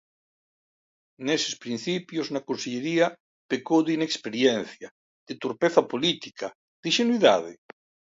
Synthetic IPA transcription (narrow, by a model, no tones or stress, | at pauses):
nese̥spɾin̟θipjoznakonseʎeɾiɐ | pekowðinekspeɾjen̟θja | d̪̥et̪oɾpeθɐpolit̪ikʰa | ð̥iʃenwiða̰ðḛ